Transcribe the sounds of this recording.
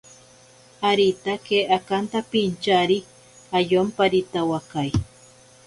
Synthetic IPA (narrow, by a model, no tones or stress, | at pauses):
aɾit̪akeʔakant̪apint͡ʃaɾi | ajompaɾit̪awakaj